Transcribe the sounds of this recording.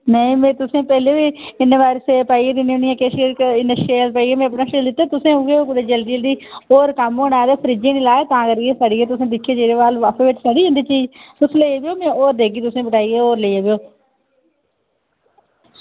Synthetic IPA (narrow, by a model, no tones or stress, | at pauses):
nəĩːmẽːt̪ʊsẽːpɛːleːʋiːɪnʋaːɾsepaːiːɡeːd̪ɪnonɪjãːkeːʃɪnʃeːlpəːiːɡeːmẽːəpnãːʃeːld̪ɪt̪ːeːt̪ʊsẽːoɡeːoːkʊd̪eːd͡ʒəld̪iːld̪iːoːɾkəmoːɽaːd̪eːpʰəɾiːd͡ʒẽːnĩːlaːeːt̪ãːkəɾɡeːsaːɽiːeːt̪ʊsẽːd̪ɪkʰːeːd͡ʒeːɾeːʋaːlʋaːpʰeːʋɪʈʰsaːɽiːẽnd̪iːt͡ʃiːd͡ʒt̪ʊsleiebeoːmẽːoːɾd̪eːɡiːt̪ʊsẽːbəʈaːiːɡeːoːɾleieːbeoː